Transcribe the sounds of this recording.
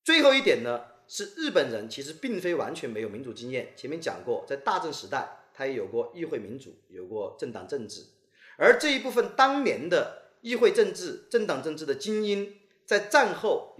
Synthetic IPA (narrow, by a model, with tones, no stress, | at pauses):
t͡swe˥˧ɪxo˥˧ʊi˥˩t̪jɛ˨˩nnə˦ | ʂɻ̩˥˧ɻɻ̩˥˩pə˨˩nɻə˧˥nt͡ɕʰi˧˥ʂ̬ɻ̩˧˥pi˥˩ŋfe˥ɪwa̰˧˥nt͡ɕʰɥɛ˧˥nme˧˥ɪo˨˩ʊmi˧˥t͡su˨˩t͡ɕi˥ŋjɛ˥˩nt͡ɕʰjɛ˧˥nmjɛ˥nt͡ɕjɑ̰˨˩ŋkwɔ˥˧t͡sa˥˧ɪt̪a˥˧ʈ͡ʂə˥˩ŋʂɻ̩˧˥t̪a˥˩ɪt̪ʰa˥jɛ˧˥jo˨˩ʊkwɔ˥˧i˥˧xwe˥˩ɪmi˧˥nt͡sṵ˨˩˦jo˨˩ʊkwɔ˥˧ʈ͡ʂə˥˩ŋt̪ɑ̰˨˩ŋʈ͡ʂə˥˧ŋʈ͡ʂɻ̩˥˩ | ə˞˧˥ʈ͡ʂɤ˥˧i˥pu˥˩fə˩nt̪ɑ˥ŋnjɛ˧˥nd̪ə˧ | i˥˧xwe˥˧ɪʈ͡ʂɤ˥˧ŋʈ͡ʂɻ̩˥˩ʈ͡ʂə˥˩ŋt̪ɑ˨˩ŋʈ͡ʂɤ˥˧ŋʈ͡ʂɻ̩˥˩d̪ə˩t͡ɕi˥ni˥n | t͡sa˥˧ɪʈ͡ʂa˥˧nxo˥˩ʊ